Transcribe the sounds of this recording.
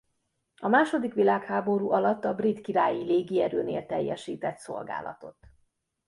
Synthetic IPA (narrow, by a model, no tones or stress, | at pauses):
ɒmaːʃo̞d̪ikʋilaːkhaːbo̞ɾuːʔɒlɒt̪ːɒbrit̪kiɾaːjileːɡiɛɾøːnḛːlt̪ɛjːɛʃiːt̪ɛt̪so̞̰lɡa̰ːlɒ̰t̪o̞t̪